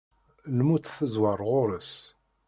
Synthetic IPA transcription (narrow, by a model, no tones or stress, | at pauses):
lmut̪θəzwɑɾˤʁʊɾəs